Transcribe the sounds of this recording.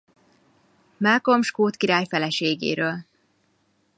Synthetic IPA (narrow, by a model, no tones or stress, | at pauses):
malkomʃkoːt̪kiɾaːjfɛlɛʃeːɡḛːɾøːl